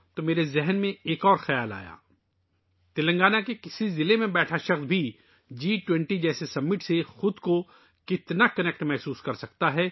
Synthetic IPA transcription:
t̪omeːɾezɛɦnmẽeːkɔːɾxɐjaːla̰ːja̰ː | t̪ɪlɐ̃ŋɡaːnakekɪsizɪlemẽbɛːʈʰaʃɐxsbʱi | d͡ʒiːʈwɛ̃ɳʈid͡ʒɛːsesɐmːɪʈsexʊd̪ko | kɪt̪nakɐnɛk̚ʈmɛɦsuːskɐɾsɐkt̪aɦɛ

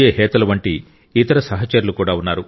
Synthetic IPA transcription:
eːɦɛːt̪ɐlɐʋɐɳʈiː | t̪ɐɾɐsɐɦɐt͡ʃɐɾulukuːɽaːunːaːɾu

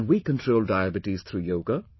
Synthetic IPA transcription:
nwikə̃nʈʰɾoʊldaɪæbɪʈiz̥t̪ʰɾuːjoʊɡə

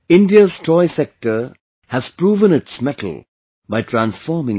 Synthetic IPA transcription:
ɪ̃nɖiəztʰɔɪsɛk̚ʈəɾ | hæz̥pɾuːʋə̃nɪtsmɛʈʰəl̩ˠ | baɪʈʰɾãnsfɔːɾmɪ̃ŋ

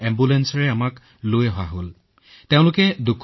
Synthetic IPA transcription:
ɛmbulɛnsɔɹɛamak | lojɦɔwaɦol | teʊ̃lʊkɛdukʰ

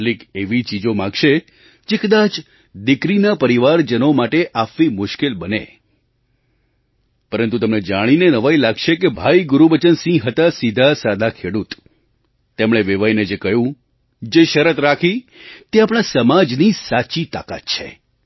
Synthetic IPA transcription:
likeʋit͡ʃid͡ʒomãɡʃe | d͡ʒekəd̪at͡ʃ | d̪ɪkɾinapəɾiʋaɾd͡ʒənomaʈeʔafʋimʊʃkelbənḛ | pəɾənt̪ut̪əmned͡ʒaɽ̃inenəʋailaɡʃekebʱajɡʊɾubət͡ʃənsĩɡɦət̪asid̪ʱasad̪ʱakʰeɽut̪ː | emɽ̃eʋeʋajned͡ʒekəjũ | d͡ʒeʃəɾət̪ɾakʰi | t̪eapɽ̃asəmad͡ʒnisat͡ʃit̪a̰ka̰t̪̚t͡ʃʰḛ

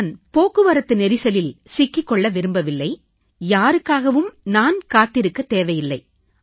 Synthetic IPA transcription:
npoːkːɯʋɐɾɐt̪ːɯnɛɾɪsɐlɪlsɪkːɪkːɔɭːɐʋɪɾɯmbɐʋɪlːɐɪ | jaːɾɯkːaːɣɐʋɯmnaːnkaːt̪ːɪɾɯkːɐt̪ːeːʋɐjɪlːɐɪ

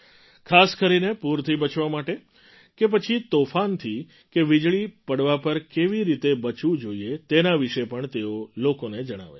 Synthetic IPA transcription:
kʰaskəɾinepuɾt̪ʰibət͡ʃʰʋamaʈe | kep̬ət͡ʃʰit̪ofant̪ʰi | keʋid͡ʒɭipəɽʋapəɾkeʋiɾit̪ebət͡ʃʋũd͡ʒoiet̪enaʋiʃepəɳt̪eolokoned͡ʒəɽ̃a̰ʋḛ

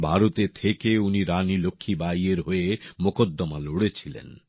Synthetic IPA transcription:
bʱaɾot̪et̪ʰekeuniɾanilokʰːibajeɾɦoemokod̪ːɔmaloɽet͡ɕʰilḛn

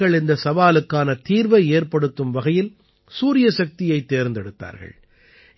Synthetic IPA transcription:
ɐɭɪnd̪ɐsɐʋaːlɯkːaːnɐt̪iːɾʋɐeːɾpɐɽɯt̪ːɯmʋɐɣɐjɪl | suːɾɪjɐsɐk̚t̪ɪjɐɪt̪ːeːɾnd̪ɛɽɯt̪ːa̰ːɾɣɐ̰ɭ

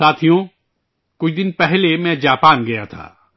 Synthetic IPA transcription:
aːt̪ʰijõ | kʊt͡ʃʰd̪ɪnpɛɦlemɛ̃d͡ʒaːpaːnɡɐjat̪ʰa̰ː

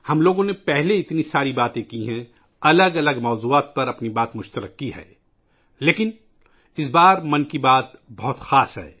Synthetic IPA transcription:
hɐmloːɡõnepɛɦleɪt̪nisaːɾibaːt̪ẽkiɦɛ̃ | ɐləɡɐləɡmɔːzuːaːt̪̚pɐɾɐpnibaːt̪mʊʃt̪əɾə̰kːiɦɛ̰ː | leːkɪn | ɪs̬baːɾmɐ̃nkibaːt̪bɐɦʊt̪xaːsɦɛ̰ː

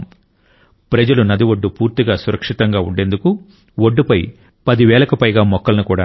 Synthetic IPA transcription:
pɾɐd͡ʒɐlunɐd̪iʋoɖːupuːɾt̪iɡaːsuɾʔɐkʂit̪ɐŋɡaːuɳɖe̞nd̪uku | woɖːupɐj | pɐd̪iʋɛːlɐkɐpɐjɡaːmɔkːɐlɐnukuːɽa̰ː

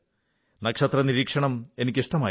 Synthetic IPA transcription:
nɐkʂɐt̪rɐniɾiːkʂɐɳɐme̞nikʲːiʂʈɐmaː

